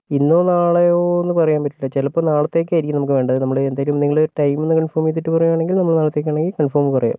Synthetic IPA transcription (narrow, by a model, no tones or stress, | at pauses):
inːoːnaːɭejoːenːɨpɐrɐjaːmpɐʈːilːɐt͡ɕelɐpːoːnaːɭɐt̪ːe̞k̬ʲːaiɾikʲːunɐmkːɨʋe̞ːɳɖɐðɨnɐmːɐɭɨend̪aːjɐlumniŋːɐɭoɾʈɐjmenːɨkɐɳfoːrmjet̪̬ːiʈːɨpɐrɐjːuaːɳe̞ŋɡilnɐmːɐɭnaːɭɐt̪ːe̞ːk̬ʲːaːɳeŋɡilkɐɳfoːmɨpɐrɐja̰ːm